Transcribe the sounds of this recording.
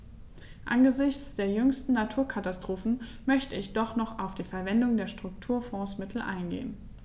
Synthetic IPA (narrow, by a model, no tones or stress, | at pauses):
ʔa̰nɡəzɪçt͡sd̥eːɐjʏŋstn̩natʰuːɐkʰatastʁ̥oːfn̩ | mœçtəɪçd̥ɔχnɔχaʊfd̥iːfɛɐvɛndʊŋdeːɐʃtʁ̥ʊk̚tʰuːɐfɔ̃ːsmɪtʰl̩ʔa̰ɪnɡḛːən